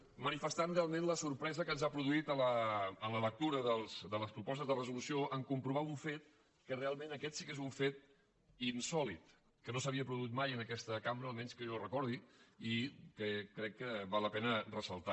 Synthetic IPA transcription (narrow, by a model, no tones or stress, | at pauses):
mənifəst̪anrealˠmẽnləsuɾpɾɛzəkənzapɾuðuit̪ələːnlələk̚t̪uɾəðəlˠzd̪ələspɾupɔs̬t̪əzðərəzulusioʔəŋkumpɾuβauɱfet̪̚ | kərealˠmẽnəkɛt̪sikezuɱfet̪̚ | insɔlit̪ | kənosəβiəpɾuðuit̪̚majənəkɛst̪əkamɾəːlˠmɛnskəʒɔrəkɔɾðiikəkɾɛkːəβalːəpɛnərəsəlˠt̪a